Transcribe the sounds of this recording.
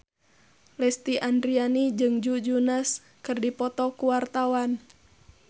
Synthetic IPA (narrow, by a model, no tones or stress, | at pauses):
lɛst̪iʔandɾianid͡ʒɨŋd͡ʒud͡ʒunas | kɨrdipɔt̪ɔkuwart̪awan